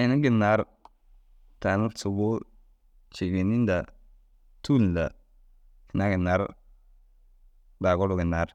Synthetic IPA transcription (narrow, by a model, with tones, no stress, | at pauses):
i˨nu˦ɡi˨na˨˦ɾ | ta˨mu˦tu˨ɡo˦ | t͡ʃi˨ɡi˨ni˦n˦da˨ | tu˦n˨la˨ | ki˨na˦ɡi˨na˨˦ɾ | ba˨ɡo˦ɾu˨ɡi˨na˨˦ɾ